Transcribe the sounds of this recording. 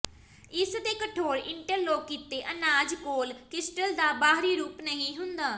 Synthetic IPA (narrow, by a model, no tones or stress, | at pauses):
ɪsd̪eːkəʈʰoːɾɪɳʈəɾloːkːiːt̪eːʔənaːd͡ʒkoːlkɪsʈəld̪aːbaːɦɾiːɾuːpnəɦĩːɦʊnd̪aː